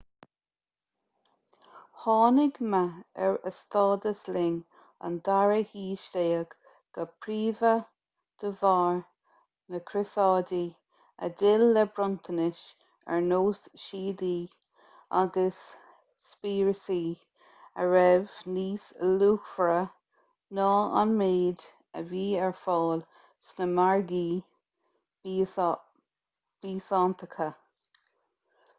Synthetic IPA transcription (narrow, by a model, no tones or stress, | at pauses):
hɑːnɪɡmaɛɹəst̪ɑːd̪əslɪŋ | ə̰nd̪aɹəhiːʃt̪eːəɡ̥ | ɡ̥əpʰɾiːvə | d̪̥əvɑːɹ | nəkʰɾɪsɑːdi | ə̰dɪlːɛbɾʊnt̪ʰənɪʃ | ɛ̰ɹnoːsʃiːd̪iː | a̰ɡəsː | piːɹəsi | əɹɛvniːsluːxfɾə | nɑːa̰nmeːd̪ | ə̰viːɛɹfɔːl | snəmaɹɡiː | b̥iːsɑːnt̪əkʰə